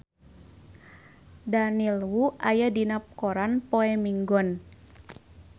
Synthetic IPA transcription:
danilwuʔajadinap̚kɔɾanpoɛmiŋɡɔn

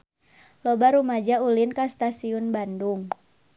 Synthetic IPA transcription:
lɔbaɾumad͡ʒaulinkast̪asiunbanduŋ

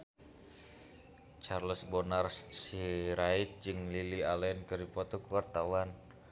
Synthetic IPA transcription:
t͡ʃarləsbonarssiɾait̪̚d͡ʒɨŋlilialɛnkɨrdipɔt̪ɔkuwart̪awan

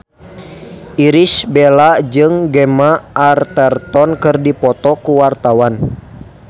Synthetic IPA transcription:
ʔiɾisbɛlad͡ʒɨŋɡɛmaʔːrt̪ɛrt̪ɔnkɨrdipɔt̪ɔkuwart̪awan

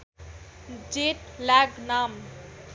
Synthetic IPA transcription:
d͡ʒeʈlaɡnam

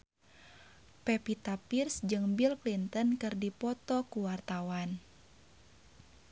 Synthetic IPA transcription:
pɛpit̪apirsd͡ʒɨŋbilklint̪ənkɨrdipɔt̪ɔkuwart̪awan

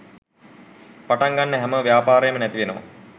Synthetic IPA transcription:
paʈaŋɡanːəɦɛməʋjaːpaːɾəjəmənæt̪iʋenəʋa̰

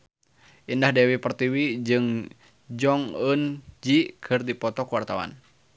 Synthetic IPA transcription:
indahdɛwipərt̪iwid͡ʒɨŋ | d͡ʒɔŋənd͡ʒikʰɨrdipɔt̪ɔkəwart̪awa̰n

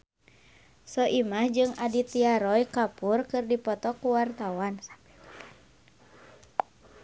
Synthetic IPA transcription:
sɔʔimahd͡ʒɨŋadit̪iaɾɔjkapurkɨrdipɔt̪ɔkuwart̪awansḁ

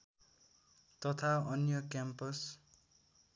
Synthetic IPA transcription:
t̪ʌt̪ʰaʌnjʌkjampʌs

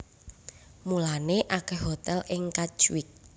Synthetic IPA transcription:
mulaneʔakɛhɦot̪ɛlʔɪŋkḁt͡ʃwɪk̚

